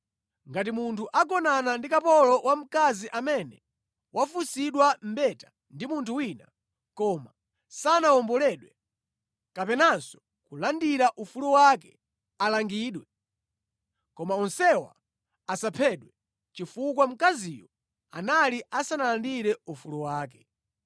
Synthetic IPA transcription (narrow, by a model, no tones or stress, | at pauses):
ŋɡat̬imuntʰuʔak̬ɔnanandikapɔlɔwʔam̩kaziʔamɛnɛ | wʔafusiɗwam̩bɛtḁ | ndimuntʰuwina | kɔma | sanawɔmbɔlɛɗwɛ | kapɛnasɔ̥ | kulandiɾaʔufuluwakɛ | alaŋɡiːɗwɛ | kɔmaɔnsɛwa̰ː | sapʰɛɗwɛ | t͡ʃifuk̬wam̩kazijɔ | a̰naliʔasanalandiɾɛufuluwaːk̬ɛ